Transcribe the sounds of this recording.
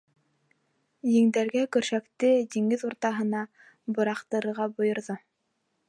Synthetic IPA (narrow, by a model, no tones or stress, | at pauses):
jɘ̆ŋd̪æɾɡækɵ̆ɾʃækt̪ɘd̪iŋɡɘðuɾt̪ɑɦɤ̆nɑ | bŏɾɑqt̪ɤ̆ɾɤ̆ɾʁɑbŏjŏɾðo